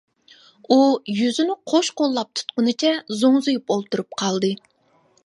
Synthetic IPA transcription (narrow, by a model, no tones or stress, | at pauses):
ujyzynɪqʰoʃqolˠːɑp̚t̪ʰu̥t̪qʊnɨt͡ʃʰɛzoŋzujupolˠt̪uɾup̚qʰɑlˠd̪ɨ